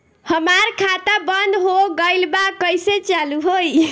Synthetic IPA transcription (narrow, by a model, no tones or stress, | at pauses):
həmaɾkʰat̪abənd̪ɦoɡəjlbakəjset͡ʃaluɦoj